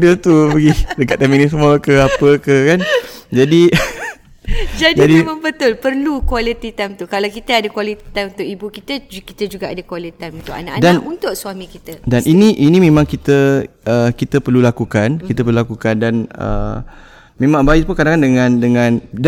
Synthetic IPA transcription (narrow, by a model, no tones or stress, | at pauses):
dət̪upəɡidəkaʔ̪t̪ːaminis̬əmuəkəapəkəkand͡ʒadi | d͡ʒadd͡ʒiadiməmbət̪ʊlpərlukwalit̪it̪amt̪ukalawkit̪əadakwalit̪i̥t̪anunt̪ʊʔibukit̪əki̥t̪əd͡ʒuɡaʔadakwalit̪anunt̪ʊʔa̰na̰ʔadanunt̪ʊʔsuamĩkit̪ədanʔiniʔinĩmẽmãŋkit̪əəkit̪əpərlulakukankit̪əpəɾlulakukandanə̰ | mẽmãŋbaɪʔ̚punkadaŋandəŋãndəŋãnd